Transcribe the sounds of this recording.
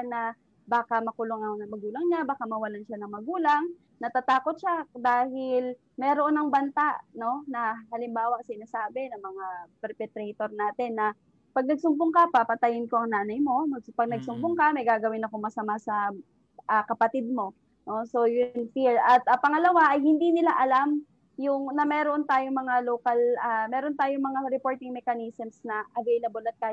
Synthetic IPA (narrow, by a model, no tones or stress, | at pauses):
nɐ | baːkamɐkʊloŋɐnɐŋmɐɡuːlɐŋɲabaːkamɐwɐlanʃanɐŋmɐɡuːlaŋ | nɐt̪at̪aːkot̪̚ʃad̪aːhɪl | mɛɾoʔonɐŋbɐnt̪aʔno̞nɐhɐlɪmbaːwɐsɪnasaːbɛnɐŋmɐŋapɛɾpɛt̪ɾɛjt̪o̞ɾnaːt̪ɛnːɐ | pɐɡ̚nɐɡ̚sʊmbʊŋkapapɐt̪ajɪnko̞ʔɐŋnaːnɐjmo̞mɐɡ̚pɐɡ̚nɐɡsʊmbʊŋkɐmɐjɡaːɡɐwɪnɐko̞mɐsɐmasɐ | ʔɐkɐpɐt̪ɪd̪̚mo̞ | no̞so̞jʊnfiɹɐt̪̚ʔɐpɐŋɐlɐwaʔɐjhɪnd̪inɪlaʔɐlam | jʊŋnɐmɛːɾont̪aːjoŋmɐŋaloːkɐlɐmɛːɾo̞nt̪aːjoŋmɐŋaɾɛpo̞ːɹt̪ɪŋmɛkɐnisɛmsnɐʔɐvejlɐbolɐt̪̚kaː